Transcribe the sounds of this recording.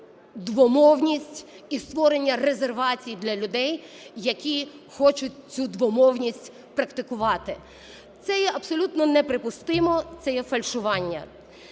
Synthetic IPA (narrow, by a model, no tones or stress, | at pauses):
d̪ʋɔmɔwnʲisʲtʲ | ist̪ʋɔɾenʲːɐrezerʋɑt͡sʲijid̪lʲɐlʲʊd̪ɛj | jɐkʲixɔt͡ʃʊt̚ʲt͡sʲud̪ʋɔmɔwnʲisʲtʲ | pɾɐkt̪ɪkʊʋɑt̪ɪ | t̪sɛjɛʔɐbsɔlʲut̪nɔnɛpɾɪpʊst̪ɪmɔt̪sɛjɛfɐlʲʃʊʋɑnʲːɐ̰